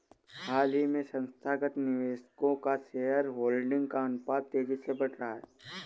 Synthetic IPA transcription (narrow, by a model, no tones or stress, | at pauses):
haːlimẽsə̃nst̪ʰaːɡət̪nɪʋeːʃkõkaʃeɦəɾɦoːlɖɪ̃ŋɡkaʊnpaːd̪̚t̪eːd͡ʒisebɐʈʰɾɦaɦɛ̰ː